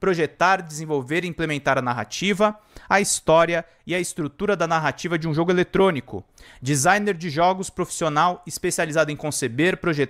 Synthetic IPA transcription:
pɾoʒet̪aɾd͡ʒɪzẽvowveɾiĩplemẽnt̪aɾɐnaɦa̰t͡ʃivɐ | ɐist̪ɔɾiɐ | ɪɐɪst̪ɾut̪uɾɐd̪ɐnaɦat͡ʃivɐd͡ʒɪũʒoɡʊelet̪ɾõnikʊ̰ | d͡ʒizajneɾd͡ʒɪʒɔɡʊspɾofi̥sionawispesializad̪ʊẽkõsebeɾpɾoʒe

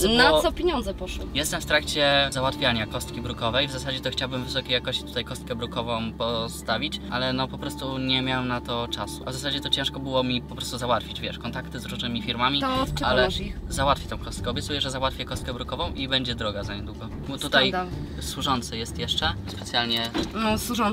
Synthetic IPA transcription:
nasɔpʲjeɲɔnd̪zɛpɔʂwɔjɛst̪ɛmft̪ɾakt͡ɕɛzawat̪fʲjaɲakɔst̪̚kʲibɾukɔvɛjvzasad͡ʑɛt̪ɔxt͡ɕawbɘmvɘsɔkʲejakɔɕt͡ɕi̥t̪u̥t̪ajkɔst̪̚kɛbɾukɔvɔ̃w̃pɔst̪avʲit͡ɕʔalɛnɔpɔpɾɔst̪uɲɛmʲjawamnat̪ɔt͡ʂasuʔavzas̬ad͡ʑɛt̪ɔt͡ɕɛ̃ʂkɔbɘwɔmʲipɔpɾɔst̪uzawat̪fʲid͡ʑvʲjɛʂkɔnt̪akt̪ɘzɾuʐnɘmʲifʲiɾmamʲialɛzawat̪fʲit̪ɔ̃w̃kɔst̪̚kɛɔbʲɛt̪sujɛʐɛzawat̪fʲjɛkɔst̪kɛbɾukɔvɔ̃w̃ʔibɛɲd͡ʑɛd̪ɾɔɡazaɲɛd̪wuɡɔ | bɔt̪ut̪ajt̪swuʐɔnt̪sɨjɛst̪jɛʂt͡ʂɛspɛt̪sʲjalɲɛswuʐɔn

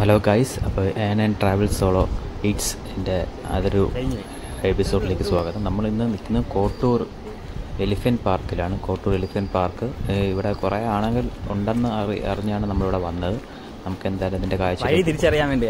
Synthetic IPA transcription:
hɐloːɡɐjsɐpːoːʔeːnenʈraːʋɐlsoːɭoːiːʈs | ende̞ɐ̰ðoɾuɲ | episo̞ːɖile̞ːkʲːɨswaːɡɐðɐmnɐmːɐɭinːɨninːɨko̞ːʈːoːr | elifɐnpaːrkilaːɳɨko̞ːʈːoːɾelifɐnpaːrkɨiʋiɽekureaːɳɐŋɡɐluɳɖe̞nːɨɐrḭɐ̰riɲːaːɳɨnɐmːɐɭiʋiɽe̞ʋɐnːɐðɨ | nɐmukːe̞nd̪aːjɐlɐmɐðinde̞kaːjɐt͡ɕːiɾɐit̪iɾit͡ɕːɐrijaːmʋeɳɖij

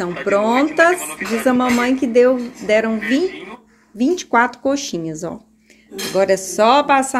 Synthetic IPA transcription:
t̪ɐ̃w̃pɾõnt̪ɐsd͡ʒizɐmɐ̃mɐ̃j̃kɪd̪ewd̪ɛɾɐ̃w̃vi | vĩnt͡ʃɪ̥kwat̪ɾʊ̥koʃĩɲɐzɔ̰ | aɡɔɾɐsɔpasa

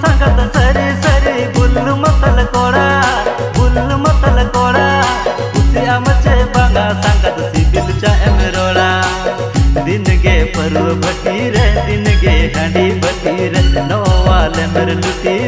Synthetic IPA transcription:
sãːŋkat̪sɐɾisəɾibʊlːmɐt̪əlkoːɽaː | bʱʊlːmɐt̪əlkoːɽaː | ʊsiaːmət͡ʃebãːɡasãːkat̪sibibət͡ʃaːʔemeɾoːɽaː | d̪ɪnɡepɐɾubʱɐʈiɾɛd̪ɪnɡeɦãːɳɖiːbɐʈiɾɛlnɔʋaːlɛːmbəɾlʊʈi

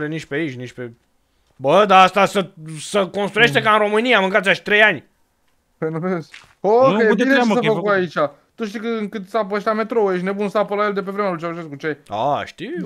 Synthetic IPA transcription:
lenit͡ʃʲpeait͡ʃʲnit͡ʃʲpe | bəd̪aast̪asəsəko̞nst̪ɾujeʃt̪e̞kaɨnɾo̞mɨnijamɨŋkat̪sʲaʃt̪ɾe̞janʲ | penuves | okeb̪iesəfəkkuait͡ʃʲa | t̪uʃ̬t̪ijkəɨŋkɨt̪sap̬əeʃt̪ʲlame̞t̪ɾoujeʃ̬ʲne̞bunsaːpəlajeld̪e̞p̬e̞vɾe̞mealut͡ʃauʒeskut͡ʃe̞a̰ʃt̪i

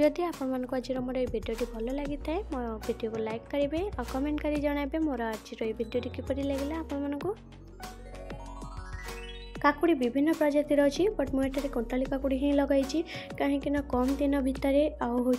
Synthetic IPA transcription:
ɔd̪iapɔɽɔmanɔ̃ŋkuad͡ʒiɾɔmɔɾɔejbʱiɖijoʈibʱɔlɔlaɡit̪ʰaemɔbʱiɖiokulajkkɔɾibeakɔmeɳʈkaɾid͡ʒɔɽ̃ajbemoɾɔad͡ʒiɾɔejbʱiɖijoʈikipɔɾileɡelaapɔɽ̃ɔmanɔ̃ŋku | kakuɽibibʱinːɔpɾɔd͡ʒat̪iɾɔɦut͡ʃʰibɔʈmũeʈʰaɾekɔɳʈɔlikakuɽiɦẽĩlɔɡajt͡ʃʰikaɦĩkinɔkɔmd̪inɔbʱit̪ɔɾeauɦo

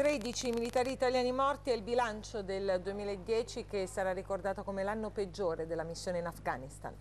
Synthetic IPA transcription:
t̪ɾed̪it͡ʃimilit̪aːɾiːt̪aljaːnimɔrt̪iɛilbilant͡ʃod̪eld̪uemiːlaed̪ːjɛːt͡ʃikesːaɾarːikord̪aːt̪okomelanːoped͡ʒːoːɾed̪elːamisːjoːneinafɡa̰ːnist̪a̰n

